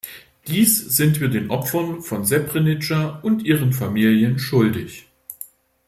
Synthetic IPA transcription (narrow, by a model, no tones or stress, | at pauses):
d̥iːsz̥ɪntv̥iːɐdeːnʔɔpfɐnfɔnzɛpʁ̥ɪnɪt͡ʃaʔʊntʔiːʁənfamiːljənʃʊldɪç